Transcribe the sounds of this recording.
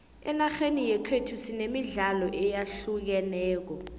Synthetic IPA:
ɛnaxenijɛkʰetʰusinemiɮalɔʔɛjaɬuk̬ɛnɛːk̬ɔ

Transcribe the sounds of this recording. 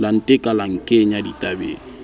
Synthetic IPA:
lan̩tʼɪkʼalaŋ̩keɲaditʼabḛːn̩

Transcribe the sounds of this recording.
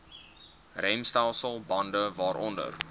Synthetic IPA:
rɛjmstalˠsəlˠbɐndəvɑːɾʔɔ̰ndə̰r

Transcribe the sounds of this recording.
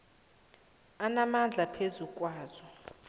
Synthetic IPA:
anamand͡ɮʱapʰezukʼwaːz̥ɔ

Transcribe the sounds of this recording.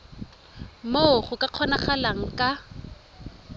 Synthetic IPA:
moχʊkʼaq͡χʰɔnaχalaŋ̩kʼa

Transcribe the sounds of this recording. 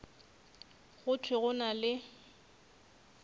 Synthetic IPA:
ɣʊtʰwɪɣʊnalɪ

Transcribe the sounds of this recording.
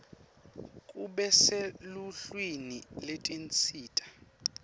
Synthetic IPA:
kʼuɓɛseluɬwiniletʼint͡sʼʰiːtʼḁ

